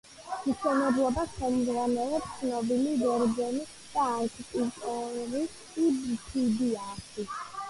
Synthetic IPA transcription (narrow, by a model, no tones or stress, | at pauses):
miʃɛnɛblˠɔbasχɛmzʁwanɛlˠɔpt̪sʰnɔbiliɡɛɾzɛni | d̪̥aːkʰp̪ʼit̪ʼɔɾiː | bpʰid̪iatʰi